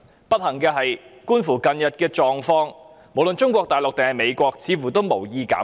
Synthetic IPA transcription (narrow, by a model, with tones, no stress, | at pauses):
pɐ˥t̚hɐ˨˩ŋkɛː˧ɦɐ˨jkuː˥nfuː˨˩kɐ˨˧njɐ˨t̚kɛː˧t͡ʃɔː˨ŋfɔː˧˥ŋ | mo˨˩wlɵ˨nt͡ʃʊ˥ŋkʷɔː˧k̚t̪aː˨jlʊ˨k̚t̪e˨ŋhɐ˨jme˨˧jkʷɔː˧k̚t͡sʰiː˨˧fuː˨˩t̪o˥wmo˨˩wjiː˧ka̰ː˨˥